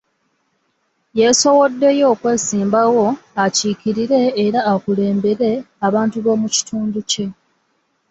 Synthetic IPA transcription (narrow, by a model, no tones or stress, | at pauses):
je̞so̞wo̞dːe̞jo̞ːkwe̞ːsiːmbawo̞aciːkiɾiɾe̞ːɾaːkule̞ːmbe̞ɾe̞ | aβaːntuβo̞ːmuci̥tʰuːnduce̞